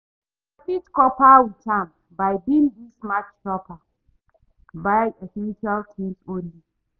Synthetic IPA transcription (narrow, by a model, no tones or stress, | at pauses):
afitkɔpawitʰãm | bajbĩndismat͡ʃʃɔpa | bajɛfɛ̃nʃaltʰĩnsõnli